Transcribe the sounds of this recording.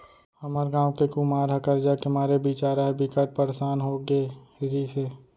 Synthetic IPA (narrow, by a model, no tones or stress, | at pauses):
hɐməɾɡãːʊkekumaːɾɦɐkəɾd͡ʒakɪmaːɾebiːt͡ʃaːɾaɦɛbikəʈ̚pəɾsaːnɦoɡeːɾiseː